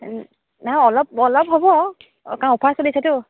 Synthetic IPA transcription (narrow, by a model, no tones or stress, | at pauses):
naɔlɔp̚ɔlɔp̚ɦɔbɔ | kawopʰasolisatʊ